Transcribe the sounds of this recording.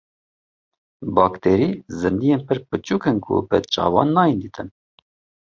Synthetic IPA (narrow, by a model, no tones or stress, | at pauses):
bɑːkt̪ʰeːɾiːzɨnd̪ijeːnpʰəɾpɨt͡ʃuːkənkʰṵbɛ̰t͡ʃʼɑ̰ːvɑ̰ːnːɑːjind̪iːt̪ʰɨn